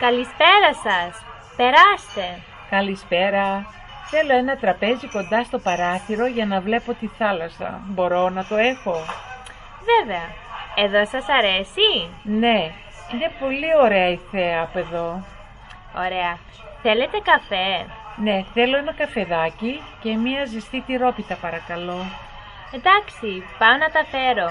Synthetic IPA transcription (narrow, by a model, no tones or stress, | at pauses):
kɐlispe̞ɾɐsɐs | pe̞ɾɐst̪e̞ | kɐlispe̞ɾɐ | θe̞lo̞e̞nɐt̪ɾɐpe̞ziko̞nd̪ɐst̪o̞pɐɾɐθiɾo̞ʝɐnɐvle̞po̞t̪iθɐlɐsɐ̰bo̞ɾo̞nɐt̪o̞e̞xo̞ | veve̞ɐeðo̞sɐsɐɾe̞sine̞ | inepo̞lio̞ɾe̞ɐiθe̞ɐːpoe̞ðo̞ | o̰ɾe̞ɐ | θe̞le̞t̪e̞kɐfe̞ | ne̞θe̞lo̞e̞nɐkɐfe̞ðɐcice̞miɐzist̪it̪iɾo̞pit̪ɐpɐɾɐkɐlo̞ | end̪ɐksipɐonɐt̪ɐfe̞ɾo̞